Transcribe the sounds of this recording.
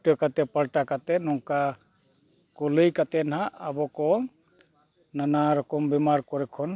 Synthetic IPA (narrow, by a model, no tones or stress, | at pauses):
ʈɔkat̪ɛpalʈakat̪ɛnɔŋka | kolɯjkat̪ɛnɦaʔabɔkɔ | nanaɾɔkɔmbɛmaɾkɔɾɛkʰɔn